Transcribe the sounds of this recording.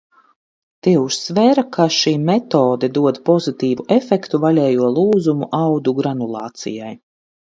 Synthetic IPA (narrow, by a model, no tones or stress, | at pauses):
t̪iuʃsvɛːɾakʰaʃiːmɛt̪oːd̪ɛd̪uɔd̪pɔzit̪iːvuʔefɛkt̪uvalʲɛːjuɔlˠuːzumuʔawd̪uɡɾanulˠɑ̰ːt̪sḭjaj